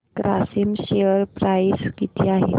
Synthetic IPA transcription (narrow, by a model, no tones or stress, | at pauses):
kɾasimɕeəɾpɾajskit̪iːaɦe